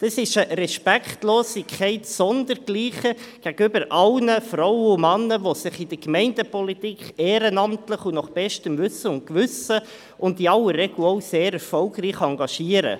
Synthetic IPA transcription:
d̥ɑsɪʃəɾɛʃpɛkχtloːsɪkʰɛɪtsɔndəɾɡ̥liːχəɡ̥æɡʏbəɾʔɑlnəfɾɔwəʊmɑnːəʋosɪχɪdəɾkmɛɪndəpʰɔlitikχeːɾənɑmtləχunɔχb̥ɛʃtəmvʉsːəʊntkʋʏsə | ʊntiɑwərːɛɡ̥loʊseːɾɛɾfɔlɡriːχɑŋɡɑʃiːəɾə̰

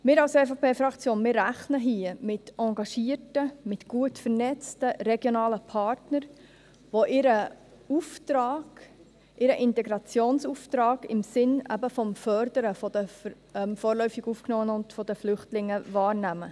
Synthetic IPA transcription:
mɪːɾɑlsɛfɑpʰeːfɾɑkt͡sjoːnmɪːɾːæχnəɦiːəmɪtɑŋɡɑʃiːətəmɪtɡ̥uətfəɾnɛt͡stəɾɛɡjonɑːləpʰɑɾtnəɾ | ʋoʔɪɾə | uftɾɑːɡ̥ | ʔɪɾəʔɪntɛɡɾɑt͡sjoːnsuftɾɑːɡ̥ɪmsɪnæ̰bəfɔmfœɾdəɾəfɔdəf | ɛmfɔːɾlœʏfɪɡufknɔːənʊntfɔd̪əflʏχtlɪŋːəvɑːɾnæmə

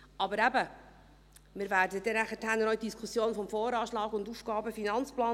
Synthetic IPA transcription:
ɑbəɾæbə | mɪɾvæːɾdəd̥ɛnæχətʰænəɾœɥt̚d̥iskʰusjoːnfɔmfoːɾɑːʃlɑːɡʊndufɡ̥ɑːbəfinɑnt͡splɑː

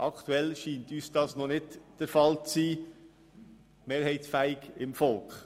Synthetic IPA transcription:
ʔɑkʰtuɛlʃiːntyːsd̥ɑːsnɔnɪdd̥əɾfɑlt͡siː | meːɾhɛɪtsfæɪɡɪmfɔlkχ

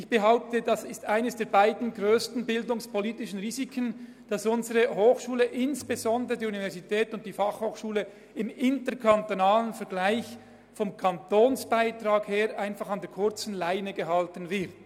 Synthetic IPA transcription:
ɪçb̥əɦaʊp̚tədɑsɪstaɪnəsd̥eːɐbaɪdn̩ɡʁøːstn̩bɪldʊŋspʰoliːtɪʃən̩ʁiːzikʰən | d̥ɑsʊnzəʁəɦoːxʃuːləʔɪnsb̥ezɔndəʁədiːunivɛɐʁzitʰɛːtʊnt̚d̥iːfɑχhoːxʃuːlə | ɪmɪntəkʰantonaːlənfɛɐɡlaɪç | fɔmkʰɑntoːnsb̥aɪtʁaːkheːʁʔaɪnfɑχɑndɛːɐkʰʊɐt͡sn̩laɪnəɡəɦɑltən̩vɪʁt

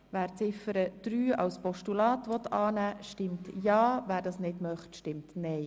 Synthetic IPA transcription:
ʋæːɾt͡sɪfəɾəd̥ɾyːɑ̰wspɔʃtulɑːtʋɔt̪ɑːnæːʃtɪmtjɑːvæːɾdɑsnɪdmœχtʃtɪmtnɛj

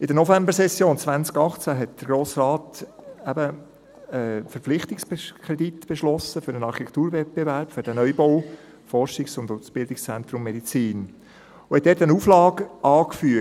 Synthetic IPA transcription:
ɪdənɔfɛmbəɾsɛsjoːnt͡svænt͡skɑχt͡sæɦɛt̚d̥̪əɾɡ̥ɾoːsrɑːtæbə | ɛfəɾp͡flɪχt̪ɪksbkʰɾɛdit̪b̥ɛʃlɔsəfʏɾənɑɾχitɛkʰtuːɾvɛt̚b̥evæɾpfʏɾd̥ænœʏboʊ | fɔɾʃɪksʊndʊsb̥ɪldɪkst͡sɛnt̪ɾʊmːɛdit͡siːn | ʊhɛt̚dɛːtənuːflɑːɡʔɑːkfyə

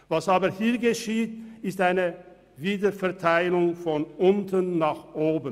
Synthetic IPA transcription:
vasaːbəhiːɐɡəʃiːt̚ɪstaɪnə | viːdəfɛɐtʰaɪlʊŋfɔnʔʊntənːaːχʔoːbən

